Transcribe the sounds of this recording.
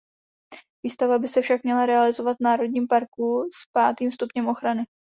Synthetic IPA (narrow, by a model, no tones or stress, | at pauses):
viːst̪avabɪsɛfʃakmɲɛlaɾɛalɪzo̞vat̪̚naːɾo̞d̚ɲiːmpaɾkuspaːt̪iːmst̪upɲɛmʔo̞xɾanɪ